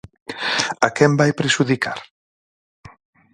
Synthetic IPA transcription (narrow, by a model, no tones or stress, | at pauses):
akɛmbajpɾeʃuðikʰaɾ